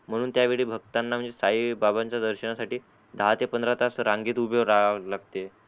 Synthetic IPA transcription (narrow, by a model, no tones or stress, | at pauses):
m̤əɽ̃uːnt̪jaʋiɭiːbʱəɡ̚t̪anːam̤əɳd͡zesaibabaɲt͡ɕjad̪əɾɕənasaʈiː | d̪ʱaɦat̪epənd̪ɾat̪asɾaŋɡiːt̪ubʱjoɾalaɡ̚t̪e